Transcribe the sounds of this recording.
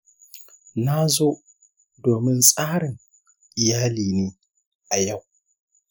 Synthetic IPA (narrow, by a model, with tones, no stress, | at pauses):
na˦zoː˦ | doː˨mɪ˦nsʼaː˦ɽɪ˨ŋ | ʔɪ˨jaː˦liː˨neː˦ | ʔa˨ja˦˨w